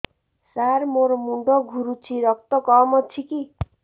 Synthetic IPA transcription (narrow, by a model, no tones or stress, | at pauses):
sarmoɾomuɳɖʌɡʱuɾut͡sʰiɾʌk̚t̪ʌkʌmʌt͡sʰiki